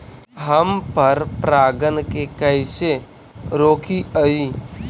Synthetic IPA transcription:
ɦəmpəɾpɾaːɡənkekəɪse | ɾoːkʰiəi

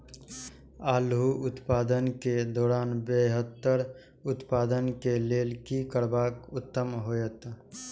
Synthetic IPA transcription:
aːlɦuʊt̪paːd̪ənked̪ɔːɾaːnbeɦət̪ːəɾ | ʊt̪paːd̪ənkeleːlkikəɾbaːkʊt̪ːəmɦoːjət̪

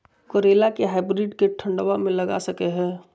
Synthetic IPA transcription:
koɾeːlakeɦaːɪbɾɪɖkeʈʰə̃ɳɖʋamẽlɐɡa̰sɐkeɦɛ̃ː

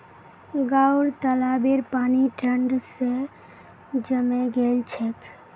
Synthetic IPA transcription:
ɡauɾt̪əlabeɾpaːniʈəɳɖse | d͡ʒəmeɡelt͡ʃʰek

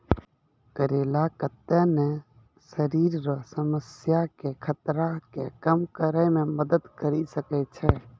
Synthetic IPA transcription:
kəɾelakət̪ːene | səɾiɾɾəsəməsjakekʰət̪ɾakekəmkəɾəmeməd̪əd̪kəɾisəkɛt͡ʃʰɛ

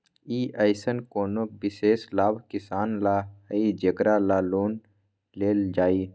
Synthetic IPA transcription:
iːʔəɪsənkoːnobɪseːslaːbʱkɪsaːnlaəid͡ʒekɾalaːloːn | leːld͡ʒaːiː

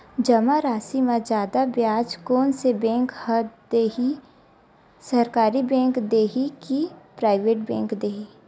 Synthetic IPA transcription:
d͡ʒɐmaɾaːsimãd͡ʒjaːd̪abjaːd͡ʒkoːnsebɛ̃ːŋkhəd̪eɦi | sɐɾkaːɾibɛ̃ːŋkd̪eːɦikipɾaːɪʋeːʈbɛ̃ːŋkd̪eːɦi

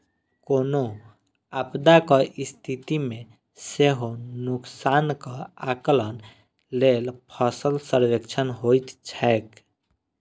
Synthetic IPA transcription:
kono | abd̪akɔʔist̪ʰit̪imẽ | seɦonʊksankɔaklən | lelpʰɔsəlsəɾʋekt͡ʃʰənɦojt̪t͡ʃʰɛek

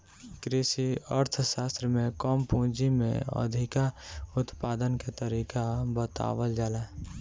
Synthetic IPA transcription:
kɾɪsiəɾt̪ʰsaːst̪ɾəmẽkɔːmpũːd͡ʒimḛ̃ə̰d̪ʱɪkaʊt̪paːd̪ənket̪əɾiːkabət̪a̰ːʋəld͡ʒaːla

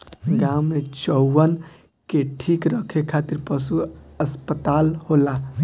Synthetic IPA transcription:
ɡamːet͡ʃɔːən | keʈʰikɾəkʰekʰat̪iɾpəsuəspət̪alhola

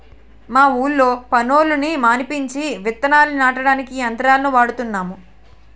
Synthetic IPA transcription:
maːuːlːo̞ːpɐnoːlunimaːnipiɲt͡ʃiʋit̪ːɐnaːlunaːʈɐɽaːnikiɐnt̪ɐɾaːlɐnuʋaːɽut̪unːaːmu

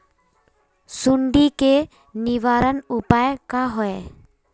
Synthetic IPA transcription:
suɳɖike | niʋaɾənupaekaɦɔe

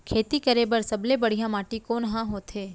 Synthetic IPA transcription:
kʰet̪ikəɾebəɾsəblebəɽ̤jãmaʈikonɦãɦot̪ʰe

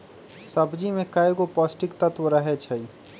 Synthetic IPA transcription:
səbd͡ʒimẽkaeɡopɔːsʈɪkt̪ɐt̪ʋəɾaɦet͡ʃʰəi

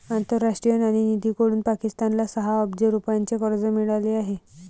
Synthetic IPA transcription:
ant̪əɾːaʂʈɾijənaɽ̃inid̪iːkoɽuːnpakist̪anlasəɦaəbd͡ʑeɾupant͡ɕekəɾd͡zəmiɭaleaɦe

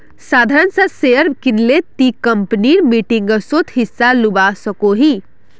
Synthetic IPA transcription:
sad̪ʱaɾənsə̃seəɾbkinlet̪ikəmpniɾmiʈiŋɡəsot̪ʰɦisːalubasəkoɦi

